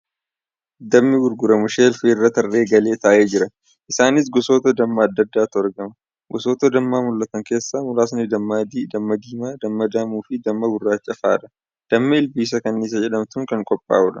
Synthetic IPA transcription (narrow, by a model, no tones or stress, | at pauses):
d̪ɐmːɪɡʊɾɡʊɾɐmʊʃeːlferːɐt̪ɐrːeːɡɐle̞ːt̪aːʔeːd͡ʒɪɾɐ | ʔɪsaːnɪs̬ɡɔsoːt̪ɐd̪ɐmːɐːd̪ːɐd̪ːaːt̪ʊɐɾɡɐmɐ | ɡɔsoːt̪ɐd̪ɐmːaːmʊlːɐt̪ɐŋke̞ːsːaːmʊlaːsnɪd̪ɐmːad̪d̪ɐmːɐd̪iːmaːd̪ɐmːɐd̪aːmuːfɪd̪ɐmːɐbʊrːaːt͡ʃːɐfaːᶑ̪ɐ̥ | d̪̥ɐmːɐɪlbiːs̬ɐkɐnːiːs̬ɐd͡ʒɛᶑɐmt̪ʊŋkɐŋkʼɔpʼːa̰ːʊᶑɐ